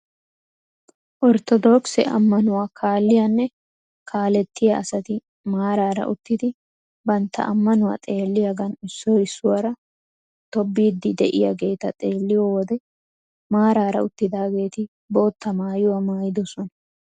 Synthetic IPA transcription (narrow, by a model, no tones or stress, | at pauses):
ʔɔɾt̪ɔd̪ɔksɛ̰ʔɐ̰mːɐnʊwaːkʰaːlːɪjanːɛ | kʰaːlɛt̪ːɪjɐɐsɐt̪ɪ | maːɾaːɾɐ̰ʔʊt̪ːɪd̪ɪ | bɐnt̪ːɐ̰ʔɐmːɐnʊwa̰ːt̪ʼe̞ːlːɪjɐɡɐnɪsːɔɪsːʊwɐɾɐ | t̪ɔbːiːd̪ːɪd̪ɛʔɪ̰jɐ̰ɡe̞ːt̪ɐt̪ʼe̞ːlːɪjɔwɔd̪ɛ | maːɾaːɾɐ̰ʊt̪ːɪd̪aːɡe̞ːt̪ɪ | bo̞ːt̪ːɐmaːjʊwɐmaːjɪd̪ɔsɔnɐ